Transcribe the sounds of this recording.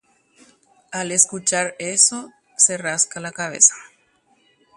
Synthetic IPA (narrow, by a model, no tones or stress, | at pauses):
aleskut͡ʃaɾeso | seraskalakaβ̞ḛsḁ